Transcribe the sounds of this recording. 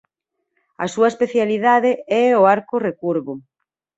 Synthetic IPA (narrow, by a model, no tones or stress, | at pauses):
ɐ̰suɐespeθjaliðaðeɛoaɾkʊrekuɾβʊ